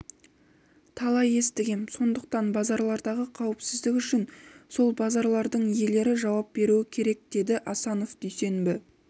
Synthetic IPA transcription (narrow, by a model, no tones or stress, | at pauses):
t̪ʰɑlˠɑje̞st̪ɪɡʲemso̞nd̪əq̚t̪ɑnbɑzɑɾlˠɑɾd̪ɑʁəqʰɑwɪpsɪzd̪ɪkʲʏʃɪnso̞lˠbɑzɑɾlˠɑɾd̪əɴje̞le̞ɾɪʒɑwɑp̚be̞ɾuɪkʲʰe̞ɾe̞k̚d̪̥e̞d̪ɪʔɑsɑno̞fd̪̥ejse̞nbɪ